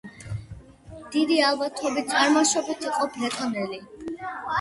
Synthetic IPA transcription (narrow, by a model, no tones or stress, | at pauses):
d̪̥id̪ialˠbat̪ʰɔbit̪sʼaɾmaʃɔbat̪ʰiqʼɔpʰlɛt̪ʰɔnɛli